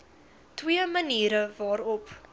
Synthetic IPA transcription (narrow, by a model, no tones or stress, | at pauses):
twiəməniːɾəvɑːɾɔp